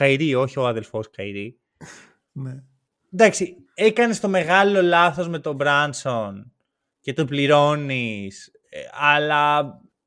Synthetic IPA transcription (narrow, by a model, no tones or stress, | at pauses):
ɐiɾio̞çio̞ɐðe̞lfo̞skɐiɾi | ne | nd̪ɐksi | ekɐnest̪o̞me̞ɣɐlo̞lɐθo̞zme̞t̪o̞bɾɐnson | ce̞t̪opliɾo̞nis | ɐlɐ